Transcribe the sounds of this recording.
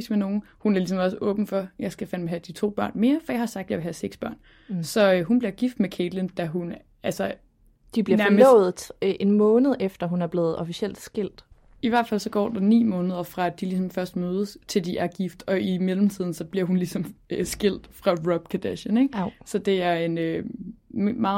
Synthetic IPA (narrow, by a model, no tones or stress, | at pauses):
smeno̝ːn̩ | hunæɐlis̬ɒ̽mɒ̽s̬əʔɔ̰̽ːb̥n̩fɒ̽jɑ̈ɪsɡ̥æfænmeɦæd̥it͡sʰo̝̰ːb̥ɶ̰ɐ̰nme̝ːɐfɒ̽jɑɪhɑ̈sɑ̈ɡ̥̚d̥jɑ̈ɪʋe̝hæseɡ̥sb̥ɶɐ̰n | sɒ̽ɦunb̥liɐɡ̥ifd̥mekʰeːd̥lend̥æɦun | ælsɐ | d̥ib̥liɐnæɐmmʊð̩ˠʔe̝nmɔ̽ːnəð̩ˠefd̥ɐɦunæɐb̥le̝ːð̞̩ˠɒ̽fisel̰d̥sɡ̥el̰d̥ | iʋæɐ̰d̥fæl̰sɒ̽ɡ̥ɒ̰ːd̥ɑ̈nḭːmɔ̽ːnəð̞ˠɐfʁɑ̈æ̥ilis̬ɒ̽mfɶɐsd̥møːð̞ˠəst͡sʰe̝ld̥iʔæɐɡ̥ifd̥ɒ̽imelm̩t͡sʰiðˠn̩sɒ̽b̥liɐɦunlisɒ̽møsɡ̥el̰d̥fʁɑ̈ʁɒb̥kʰæd̥æɕəneɡ̥sɒ̽d̥e̝æɐe̝nø | mɑ̈ː